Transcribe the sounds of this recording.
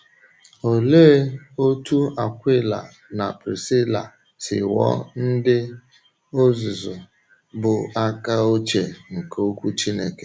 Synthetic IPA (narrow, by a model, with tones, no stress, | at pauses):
o˨leː˦o˦tu˦a˨kʷɪ˦la̰˨ | na˨pɾḭ˨sɪ˦la̰˨ | sɪ˨wɔ̰˦n̩˦dɪ˦ | o˦zʊ˨zʊ˨ | bʊ˨a˦ka˦o˦t͡ʃe˨ŋ̩˨ko˦kʷu˦t͡ʃi˦nḛ˦ke̥˨